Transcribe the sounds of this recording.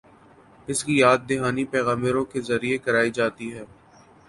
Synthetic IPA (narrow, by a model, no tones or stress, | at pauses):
ɪskijaːd̪̚ːɪɦaːnipɛːɣãːmɪɾõkezɐɾiekɐɾaːid͡ʒaːt̪iɦɛː